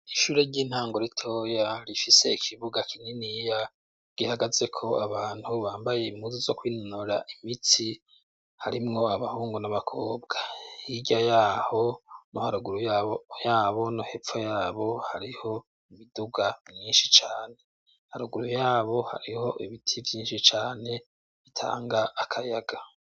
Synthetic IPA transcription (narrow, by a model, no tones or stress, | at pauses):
iʃuːɾe̞ɟiːn̥haːŋɡoɾitʰojaɾifise̞ikʰiβuɡakʰiɲinija | ɡ̥ihaɡaze̞kʰo̞aβaːn̥huβaːmbaje̞imuzizokwiːnonoɾa̰ʔimit͡si | haɾimŋo̞aβahuːŋɡonaβakʰoːbɡ̥ahiɟajaːho̞nohaɾuɡuɾujjaːβo̞nohefojaːβo̞haɾiho̞ | iβiduɡavjiːnʃit͡ʃaːne̞ | haɾuɡuɾujaːβo̞ha̰ɾiho̞ʔiβitʰivjiːnʃit͡ʃaːne̞ | βitʰa̰ːŋɡaʔːkʰajaɡ̥a